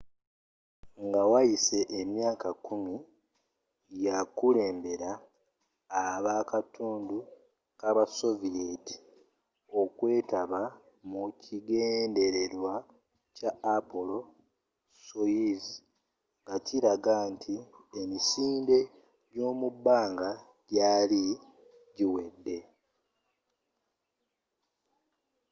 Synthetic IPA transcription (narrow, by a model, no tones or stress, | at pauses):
ŋɡawajise̞ʔːmjaːkakumi | jakule̞ːmbe̞ɾaː | βakatuːndu | kaβaso̞vijeti̥ | o̞kwe̞ːtaβa | mucʰiɡeːnde̞ɾe̞ɾwa | caːpolo̞ | sojizi | ŋɡaciɾaɡaːntʰiemisiːnde̞ | ɟo̞ːmubːaːŋɡa | ɟ̥aːli | ɟiwe̞dːe̞